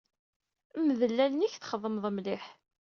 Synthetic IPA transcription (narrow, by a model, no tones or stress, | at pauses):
məðəlːælniçθχəðˤːəmðˤəmlɪħ